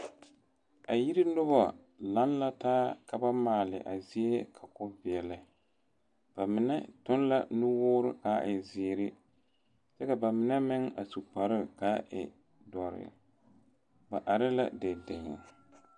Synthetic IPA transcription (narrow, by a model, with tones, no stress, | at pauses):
a˨ji˦ɾi˦nʊ˦ba˦ | la˦n˦la˦taː˦ka˨ba˦maː˨lɪ̰˨ʔa˨zi˦e˦kʰa˨kʊ˦vɪ˨ɛ˨lɪ˨ | b̥a˨mɪ˨nɛ˦tʊ˦n˦la˦˨nu˦wʊː˦ɾɪ̰˦kaː˨˦ʔɪ˨zɪː˨ɾɪ˦ | sɛ˦ka˨ba˨mɪ˨nɛ˦mɪ˦ŋa̰˨su˨k͡pa˨ɾɪ˦kaː˦ʔɪ̰˨ | dɔ˨ɾɪ̰˨ | ba˨ʔa˨ɾɪ˦la̰˦dɛ˨dɪ˨ŋɪ̰˨